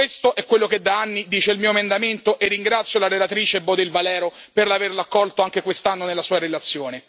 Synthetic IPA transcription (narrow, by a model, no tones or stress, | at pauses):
west̪oʔɛkːwelːoked̪aanːid̪iːt͡ʃeilmiːoemend̪ament̪oʔerːiŋɡɾat̪sːjolaɾelat̪ɾiːt͡ʃeɛbːɔd̪eilvalɛːɾoperlaverlakːɔlt̪oaŋkekwest̪anːonelːasuːaɾelat̪sːjoːne